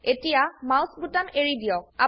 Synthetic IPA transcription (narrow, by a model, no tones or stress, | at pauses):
etijamawsbutameɹidiɔa